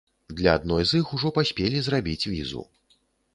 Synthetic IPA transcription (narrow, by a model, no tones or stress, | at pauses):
d̪lʲɐad̪nɔjzixuʐɔpasʲpʲelʲizrabʲit͡sʲvʲizṵ